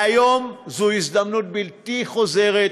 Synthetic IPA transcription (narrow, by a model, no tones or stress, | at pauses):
ajomzuizd̪amnut̪̚biltiχozeʁe